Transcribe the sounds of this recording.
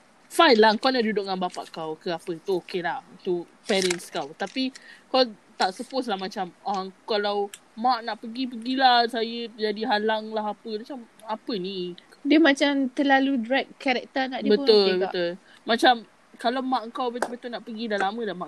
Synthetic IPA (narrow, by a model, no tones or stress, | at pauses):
fajlaəŋkawnaʔdudʊʔŋanbapa̰ʔkawkəapət̪uokelaht̪u | pɛɾənskawt̪apikaw | t̪aʔsəpos̬lahmat͡ʃamakalawmaʔnaʔpəɡipəɡilahsajəd͡ʒadiɦalaŋlaɦapəmat͡ʃam | apəni | diəmãt͡ʃamt̪əlaludɾɛk̚kːɛɾɛk̚t̪ənaʔdbət̪ʊlbət̪ʊlː | at͡ʃam | kalawmaʔəŋkawbəbət̪ʊlnaʔpəɡidalamə̃damaʔ